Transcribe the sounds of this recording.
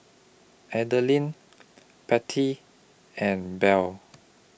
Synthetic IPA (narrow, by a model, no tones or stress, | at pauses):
ʔɛdəlĩn | pɛtʰi | ɛ̃nbɛl